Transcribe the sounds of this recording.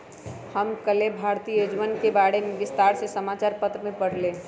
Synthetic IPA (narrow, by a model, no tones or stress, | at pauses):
həmkəlebʱaːɾt̪iːjoːd͡ʒʋənkebaːɽemẽʋɪst̪aːɾsesəmaːt͡ʃaːɾpət̪ɾmẽpəɽ̤le